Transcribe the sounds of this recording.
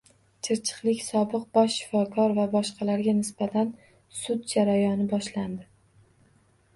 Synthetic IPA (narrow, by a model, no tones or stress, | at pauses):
t͡ʃʰɪɾt͡ʃʰɨ̥qlˠɪkʲsɒbɨq̚bɒʃːɪ̥fɒkʰɒɾvabɒʃqʰɑlaɾɡʲanɪsbat̪ʰan | sʊd̪̚d͡ʒaɾajɒnɪbɒʃland̪ɪ